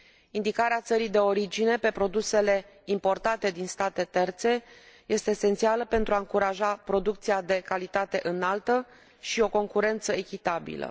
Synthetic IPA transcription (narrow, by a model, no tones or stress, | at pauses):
ind̪ikaɾeat̪səɾijd̪e̞o̞ɾid͡ʒine̞pe̞pɾo̞d̪use̞le̞ | impo̞rt̪at̪e̞d̪inst̪at̪e̞t̪e̞rt̪se̞je̞st̪e̞ːsent̪sialəpe̞nt̪ɾuaɨŋkuɾaʒapɾo̞d̪uk̚t̪siad̪e̞kalit̪at̪e̞ʔɨnalt̪ə | ʃio̞ko̞ŋkuɾe̞nt̪səe̞kʲit̪abḭlə̰